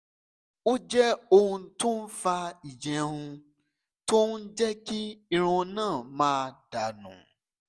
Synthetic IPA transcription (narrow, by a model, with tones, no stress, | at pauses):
o˦d͡ʒɛ˦o˧hũ˧˦to˦n̩˦fa˧i˨d͡ʒɛ̃˨ɾũ˧ | to˦n˦n̩˦d͡ʒɛ˦ki˦i˦ɾ̃ũ˧nãː˦˨mãː˧˦˧da˨nṵ̃˨